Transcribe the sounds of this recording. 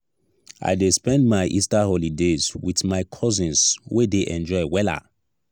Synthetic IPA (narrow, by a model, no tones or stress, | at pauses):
a̰ɪdespɛ̃ndmaɪʔistahɔlidezwiθmaɪkʰɔzĩnswedeʔɛ̃nd͡ʒɔɪwɛla̰